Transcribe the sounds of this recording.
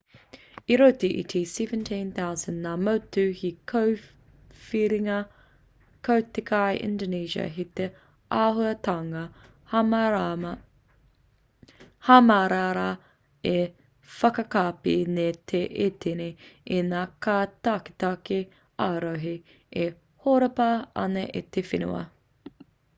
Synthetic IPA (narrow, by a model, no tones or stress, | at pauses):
iɾotiʔḭtʰisɛvə̃ntʰĩnθaʊzə̃nːaːmowtʉhikʰo | fiɾiŋɐ | kʰowtekʰajʔɪ̰̃ndoniːʃɐ̰ɦit̪e | aɦuɐtaŋɐ | hamaɾaːɾa | e | fɐkɐkaːpḭnetʰeʔet̪ʰeneenaːkaːtaːki̥t̪ake | aːɾoɦi | e | hoɾɐpɐɐ̰nɐʔit̪efinṵɐ̰